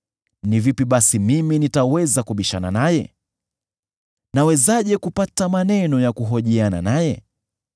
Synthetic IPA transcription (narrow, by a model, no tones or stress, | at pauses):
nivipiɓasimiminitawɛzakuɓiʃana̰najɛ | nawɛzaʄɛkupatamanɛnɔjakuɦɔʄiana̰najɛ